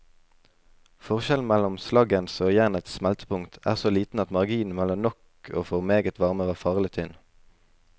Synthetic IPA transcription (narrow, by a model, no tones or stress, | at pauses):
fɔʁʃɛln̩mɛlʊmslɑɡənsoːjæʁnət̪smɛlt̪ʰə̥pʊŋt̪ʰæ̰ːʁsoːliːt̪n̩ɑt̪mɑʁɡiːn̩mɛlɔnɔkʰ | o̰ːfɔʁmeːɡət̪ʰʋɑʁməʋɑːʁfɑːʁlɪt̪ʰʏn